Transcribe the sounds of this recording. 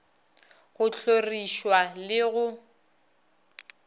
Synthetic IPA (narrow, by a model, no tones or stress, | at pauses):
ɣʊɬoriʃwalɪɣʊ